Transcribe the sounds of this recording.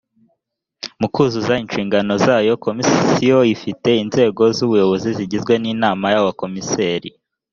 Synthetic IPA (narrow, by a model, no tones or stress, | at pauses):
mukuːzuzainʃiːŋɡano̞zaːjo̞ko̞missijoifite̞inze̞ːɡo̞zuβujo̞βo̞ziziɟizɡwe̞niːnaːmajawako̞miseːɾḭ